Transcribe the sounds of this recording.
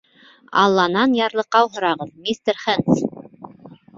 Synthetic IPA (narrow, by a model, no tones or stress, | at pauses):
ɑ̰lˠːɑnɑnjɑɾlˠɤ̆qːɑwɦŏɾɑʁɤðmʲist̪əɾχɘns